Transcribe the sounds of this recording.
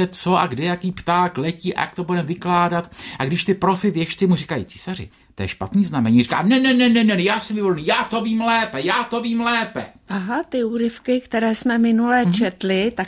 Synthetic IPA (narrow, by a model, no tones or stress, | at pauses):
ɛt͡so̞ʔaɡdɛjakiːpt̪aːklɛciːʔa̰ja̰k̚t̪obudɛmvɪklaːdat̪ʔaɡdɪʃt̪ɪpɾo̞fɪvjɛʃt͡sɪmurikajḭːt͡si̥ːsarɪ̰ | t̪ojɛʃpat̪niːznamɛɲiːri̥ka̰ːmnɛnɛnɛnɛnɛnɛjaːsɛmvɪvolniːjaːt̪o̞viːmlɛːpɛjaːt̪o̞viːmlɛːpɛ̰ʔaɦat̪ɪuːɾɪfkɪkt̪ɛɾɛːsmɛmɪnulɛt͡ʃɛt̪lɪt̪ak